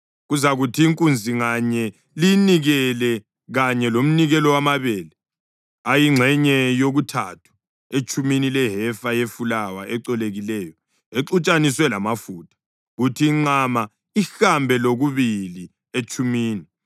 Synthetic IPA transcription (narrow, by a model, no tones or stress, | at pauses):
ɣuzaɣutʰiːŋkʼund͡zʱiŋaɲɛ | liniɣɛlɛ | ɣaɲɛlom̩niɣɛlɔwamaβɛːlɛ | ajiŋ͡ǁʱɛɲɛjoɣutʰatʰu̥ | et͡ʃʼʰuminilɛɦɛfajefulawaʔɛǀɔleɣilɛːjɔ | eǀut͡ʃʼaniswɛlamafuːtʰḁ | ɣutʰiːŋ͡ǀama | ixambʱɛloɣuβili | et͡ʃʰʼumiːni